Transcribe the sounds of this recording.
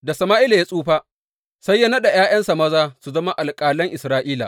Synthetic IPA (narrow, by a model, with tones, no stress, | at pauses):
da˨sɐ˨maː˦ʔɪ˦la˨ja˦sʼuː˦ɸaː˦ | sɐ˦jːɐ˦nɐ˦ɗa˨jaː˦j̰ɐ˦nsa˨mɐ˦zaː˦su˨zɐ˦ma˦ʔa˨lkʼaː˨lɐ˦ŋʔɪ˨sɾaː˦ʔiː˦la̰˨